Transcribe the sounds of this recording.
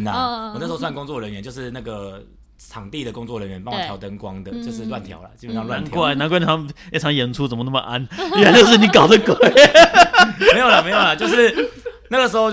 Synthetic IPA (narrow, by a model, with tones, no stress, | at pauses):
na˨wɔ˨na˥˩ʂ̩˧˥˧swa˥˨n˩kʊ˥ŋt͡swɔ˥˨˩ɻə˧˦nɥɛ˦t͡ɕjo˥˧ʊʂɻ̩˥˧na˥˩ɡə˩ | t͡sʰɑ˨˩ŋt̪i˥˨d̪ə˩kʊ˥˦ŋt͡swɔ˥˨˩ɻə˧˦nɥɛ˧˦npɑ˦ŋwɔ˨t̪jɑ˧˥ʊt̪ə˦ŋkwɑ̰˦ŋd̪ə˨t͡ɕjo˥˧ʊʂ̬ɻ̩˥˧lwa˥˨nt̪ʰjɑ̰˨˦ʊlɐ̰˨t͡ɕi˧˥pə˨njɑ˥˧lwa˥˨˦nʰkwa˥˧˩na˧˦nkwʰɑ˨˦ŋfe˥˩ʈ͡ʂʰɑ˧˥ŋjɛ˨˥nʈ͡ʂʰu˥t͡sə˨˩nmə˦na˥˩mə̰˨˩ʔa˦˥ni˥a˧˥˦t͡ɕo˥˧ʊʂ̬ɻ̩˥˩ni˨˥kɑ˨˩ʊd̪ə˦kwɛ˨˩ | me˧˥jo˨˩lə˨˩me˧˥ɪjo˨˩lɐ˨˩t͡ɕjo˥˧ʊʂɻ̩˥˩na˥˩ɡə˩ʂ̬ɻ̩˧˥xo˥˧ʊ